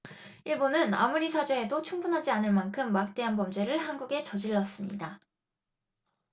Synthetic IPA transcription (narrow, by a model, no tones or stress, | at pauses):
iɭbonɯna̰muɾisʰad͡ʑeedot͡ɕʰuŋbunɦad͡ʑianɯɭmankʰɯmːak̚t͈e̞ɦanbʌmd͡ʑe̞ɾɯɭɦanɡuɡe̞t͡ɕʌd͡ʑiɭːʌs͈ɯmɲḭda